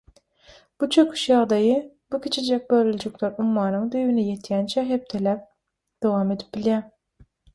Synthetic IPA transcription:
b̥ut͡ʃʰøkʲʰy̥ʃjɑʁd̪ɑjɨ | b̥ukʲʰet͡ʃʰed͡ʒɛk̚ʲbøɾylʲd͡ʒʰykʲlɛɾumːɑːnɨŋd̪yjwynɪjet̪ʰjɛnt͡ʃʰɛɦɛp̚t̪ʰɛlɛp̚ | d̪̥owɑmed̪ɪp̚b̥iljɛ

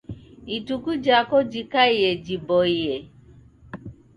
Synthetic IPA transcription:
itukud͡ʒakod͡ʒikaiɦed͡ʒibɔiɦe

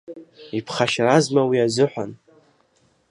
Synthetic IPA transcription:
ipʰχaʃrazmawiazɨħʷan

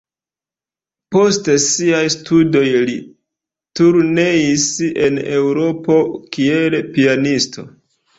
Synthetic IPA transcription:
po̞stesiajstʰudo̞jli | tuɾne̞ise̞ne̞wɾo̞po̞kielpianistʰo̞̰

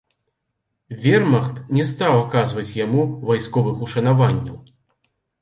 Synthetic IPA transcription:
vʲɛrmɐxt̪nʲɛst̪awakazvɐt͡sʲjamuvajskɔvɨxuʂɐnavanʲːɐ̰w

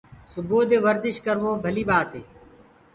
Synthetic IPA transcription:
sʊbuːd̪eːʋəɾd̪ɪʃkəɾʋoːbʱəliːɓaːt̪eː

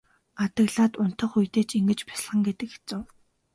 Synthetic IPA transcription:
at̪ə̆ɣɮaːt̪ʊn̥t̪ə̆χujt̪eːt͡ɕiŋɡɘ̆t͡ɕpæ̥s̆ɮχə̆ŋɡet̪ɘ̆kxe̥t͡sɘ̆w

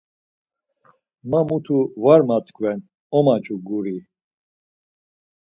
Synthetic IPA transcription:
mamut̪ʰuvaɾmat̪kʰʼvɛn | ɔmat͡ʃʼuɡuɾi

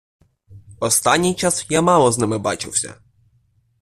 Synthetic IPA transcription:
ɔst̪anʲːijt͡ʃasjamɑlˠɔznɪmɪba̰t͡ʃɪ̰wsʲɐ̰

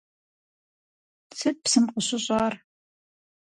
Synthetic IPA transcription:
t͡sʰɨt̚psɨmqʊɕʊɕʼɑːr

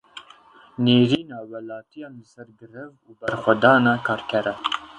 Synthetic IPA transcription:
neːɾiːnɑːwɛlɑːt̪ijɑːnləsɛɾɡɨɾɛvuːbɛɾxʷɛd̪ɑːnɑːkʰɑːɾkʰɛɾɛ

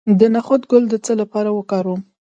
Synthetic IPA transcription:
d̪ənaxʊd̪ɡʊld̪ət͡səlapɑɾawəkɑɾum

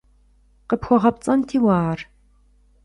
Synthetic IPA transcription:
qəpxʷɔʁɐp̚t͡sʼɐntʰiːwaːr

